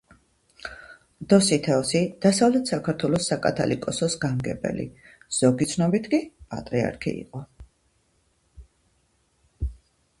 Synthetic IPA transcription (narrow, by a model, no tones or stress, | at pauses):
d̪̥ɔsit̪ʰɛɔsid̪̥asavlɛt̪ʰsakʰaɾt̪ʰwɛlˠɔsakʼa̰t̪ʰa̰lḭkʼɔsɔsɡamɡɛbɛ̰lḭz̥ɔɡit̪sʰnɔbit̪ʰkʼipʼa̰t̪ʼɾia̰ɾkʰḭḭqʼɔ